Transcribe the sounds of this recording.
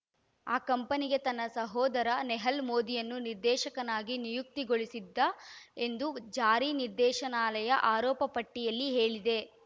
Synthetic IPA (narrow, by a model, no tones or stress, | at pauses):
aːkɐmpɐniɡe̞t̪ɐnːɐsɐɦɔːd̪ɐɾɐnɛɦɐlmoːd̪ijɐnːuniɾd̪ɛːʃɐkɐnaːɡinijuk̚t̪iɡoɭisid̪ːɐe̞nd̪ud͡ʒaːɾiniɾd̪ɛːʃɐnaːlɐjɐʔaːɾɔːpɐpɐʈːijɐlːiɦe̞ːɭid̪e̞